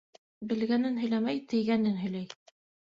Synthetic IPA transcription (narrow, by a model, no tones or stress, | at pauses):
bɘ̆lɡænɘnɦɵ̆jlæmæjt̪ɘ̆jɡænɘnɦɵ̆jlæj